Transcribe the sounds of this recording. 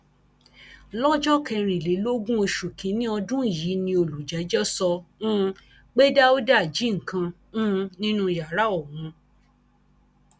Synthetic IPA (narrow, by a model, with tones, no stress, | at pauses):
lɔ˦d͡ʒɔ˦kɛ˧ɾ̃ĩ˨le˨˦lo˦ɡũ˦o˧ʃu˨kĩ˨˦nĩ˦ɔ˧dũ˦˨jiː˨˦nĩ˧o˧lu˨d͡ʒɛ˨˦d͡ʒɔ˦sɔ˧ũ˦˧ | k͡pe˦da˦o˦da˦˨d͡ʒi˨˦ŋ̩˨kã˧ | ũ˦˧nĩ˦nũ˦˧ja˨ɾa˦ɔ˦˨wũ˧